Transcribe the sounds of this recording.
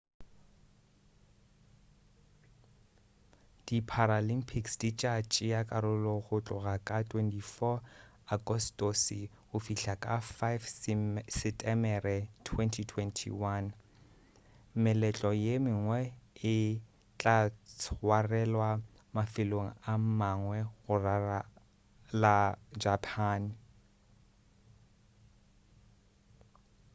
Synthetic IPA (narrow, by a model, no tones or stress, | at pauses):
d̥ipʰaɾalimpʰiksdit͡ʃʼat͡ʃʼɪjakʼaɾʊlɔɣʊt͡ɬʼʊɣakʼatʰʼwɛntʰifɔ | aɡɔstʼɔsɪ | ʊfiɬakʼafajfsɪtʼɛmɛrɛtʰwɛntʰitʰwɛntʰḭwan | mɪlɛt͡ɬʼɔjemɪŋwɛɪ | t͡ɬʼat͡sʰwarɛlwa | mafɪloŋ̩am̩maŋwɛɣʊrara | lad͡ʒapʰaːn